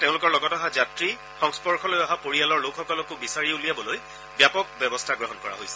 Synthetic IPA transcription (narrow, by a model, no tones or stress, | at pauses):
tẽʊ̃lʊkɔɹlɔɡɔtaɦazatɹi | xɔŋspɔɹxʰɔlojaɦapoɹialɔɹlokxɔkɔlɔkʊbisaɹiulijabɔloj | bjapɔk̚bjɛbɔstʰaɡɹɔɦɔnkɔɹa̰ɦojsɛ̥